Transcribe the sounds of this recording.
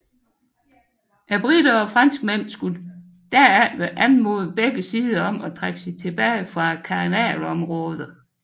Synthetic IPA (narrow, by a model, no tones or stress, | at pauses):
ʔæb̥ʁid̥ɐɒ̽fʁɑn̰sɡ̥̚men̰sɡ̥ul | d̥æɐæʋeʔænmo̝ðˠb̥eɡ̥əsiːðˠɐɒ̽mɒ̽t͡sʰʁaɡ̥əsit͡sʰe̝b̥ɛːɪfʁɑ̈kʰɑ̈nɛ̰ːlɒ̽mʁɔːð̞ˠɐ